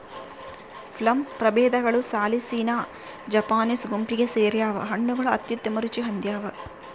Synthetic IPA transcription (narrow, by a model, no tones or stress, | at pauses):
pʰlɐmpɾɐbeːd̪ɐɡɐɭusaːlisiːnaː | d͡ʒɐpaːnisɡumpiɡeseːɾjaːʋɐ̰ɦɐɳːuɡɐɭuɐ̰t̪jut̪jɐmɐɾut͡ʃiɦɐnd̪jaːʋɐ